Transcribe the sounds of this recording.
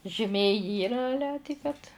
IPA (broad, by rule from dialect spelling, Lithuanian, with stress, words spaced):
ʒʲɪˈmʲeː ˈiːrɐ ɐˈlʲɛ tʲɪ kɐt